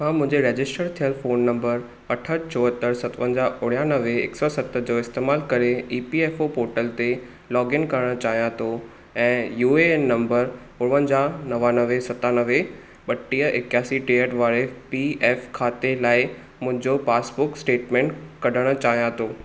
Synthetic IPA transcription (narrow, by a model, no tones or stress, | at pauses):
ɦãːmʊ̃ɦɪ̃ɲd͡ʑeɾeːd͡ʑɪsʈəɾt̪ʰijəlfoːnːɐ̃mbəɾ | ɐʈʰət͡ɕoːɦət̪əɾsɐt̪ʋə̃nd͡ʑaʔʊɽjanəʋeɪ̰ksɔsɐt̪əd͡ʑoɪst̪eːmaːlkɐɾeiːpieːfopoːɾʈəlt̪e | lɔːɡɪnkɐɾəɽ̃t͡ɕaːɦijãt̪ʰo | ɛ̃ːjuːenːɐ̃mbəɾ | ʊɽ̃ʋənd͡ʑaːnɐʋanəʋesɐt̪anəʋe | ɓɐʈːiːəʔɪkjaːsiʈejəʈʋaːɾepieːfkʰaːt̪elaːɪ | mʊ̃ɦɪ̃ɲd͡ʑopaːsbʊksʈeːʈmẽːɳʈkɐɖʱəɽ̃ə̆t͡ɕaːɦijãt̪ʰoː